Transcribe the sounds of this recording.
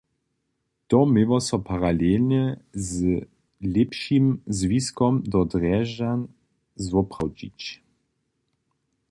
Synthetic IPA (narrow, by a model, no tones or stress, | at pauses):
t̪ɔmevɔsɔpaʁalelnɛz | lepʃimzviskɔmd̪ɔd̪ʁɛʒan | zvɔpʁawd͡ʒḭt͡ɕ